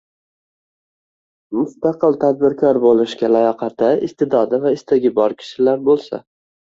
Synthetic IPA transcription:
mʊst̪ɑqɨlˠt̪ʰad̪̚bɪɾkʲʰɒɾbolˠɪʃkʲalajɒqʰɑt̪ʰaɪst̪ɪd̪ɒd̪avaɪst̪ʰaɡʲɪbɒɾkʲʰɪ̥ʃɪlaɾbolˠsa̰

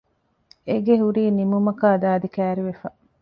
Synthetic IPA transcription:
eɡeɦuɾiːnimumɐkaːd̪aːd̪ikæːɾiʋefɐ

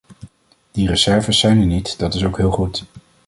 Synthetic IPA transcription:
d̥irəzɛɹvəsːɛjnɛnitd̥ɑtɪsowkɦɪːlˠχut

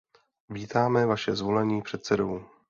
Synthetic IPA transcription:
viːt̪aːmɛvaʃɛzvo̞lɛɲiːpr̝̥ɛt̪sɛdo̞w

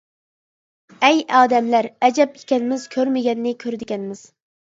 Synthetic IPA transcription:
ɛjɑːd̪ɛmlæɾɛd͡ʒɛpi̥kʲʰɛnɪmɪz̥kʲʰøɾmɪɡʲɛnːɪkʲʰøɾɪd̪ɪɡʲɛnmɪz̥

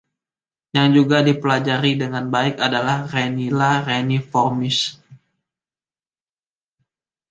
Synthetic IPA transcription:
jaŋd͡ʒuɡadipəlad͡ʒaɾidəŋanbaɪkadalahrenilaɾenifɔrmɪs

